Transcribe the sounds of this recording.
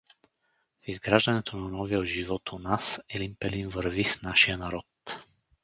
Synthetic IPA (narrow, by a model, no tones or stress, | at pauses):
vizɡɾaʒanɛt̪ʰunanɔvɛɦɔʒiʋɔt̪unasɛlimpɛlinvɾvisnaʃjanaɾɔt̪